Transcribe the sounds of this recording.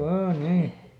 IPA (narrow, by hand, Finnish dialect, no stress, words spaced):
ʋɑː niː